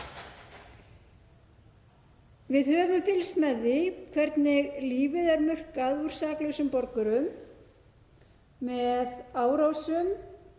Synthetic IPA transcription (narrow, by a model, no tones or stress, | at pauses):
vɪðhœːvʏmfɪlsmɛðːɪkʰvɛɾt̪nɪɣliːvɪðɛɾmʏr̥kaðvuɾ̥saːklʏsʏmpɔɾkʏɾʏm | ɛðaːwɾowsʏm